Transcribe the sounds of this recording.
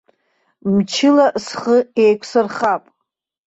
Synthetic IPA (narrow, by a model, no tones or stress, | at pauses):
mt͡ʃʰɪlasχəejkʷʰsɨrχapʼ